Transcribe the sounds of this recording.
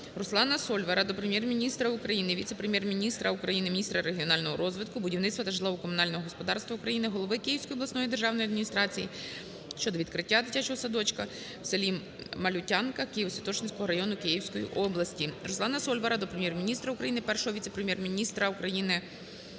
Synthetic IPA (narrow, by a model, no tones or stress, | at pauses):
rɔslˠɑnɐsɔlʲʋɐɾɐd̪ɔpɾemʲjɛrmʲinʲist̪ɾɐukɾɐjinɪʋʲit̪sepɾemʲjɛrmʲinʲist̪ɾɐukɾɐjinɪmʲnʲist̪ɾɐɾeɦʲiɔnɑlʲnɔɦɔɾɔzʋɪd̪̚kʊbʊdʲiwnɪt̪ʲst̪ʋɐt̪ɐʒlˠɔʋɔkɔmʊnɑlʲnɔɦɔɦɔspɔd̪ɑrst̪ʋɐukɾɐjinɪɦɔlˠɔʋɪkɪjiwsʲkɔjɔb̪lɐsnɔjid̪erʒɑwnɔjɐd̪mʲinʲist̪ɾɑt͡sʲiji | ʃt͡ʃɔd̪ɔʋʲid̪t̪kɾɪtʲːad̪ɪtʲat͡ʃɔɦɔsɐd̪ɔt͡ʃkɐ | wselʲi | mɐlʲʊtʲɑnkɐkɪjiwsʲʋʲɐt̪ɔt͡ʃnɪt͡sʲkɔɦɔɾɐjɔnʊkɪjiwsʲkɔjḭʔɔblˠɐsʲtʲirɔsˠɑnɐsɔlʲʋɐɾɐd̪ɔpɾemjɛrmʲinʲist̪ɾɐukɾɐjinɪpɛrʃɔɦɔʋʲit̪sepɾemjɛrmʲinʲist̪ɾɐukɾɐjinɪ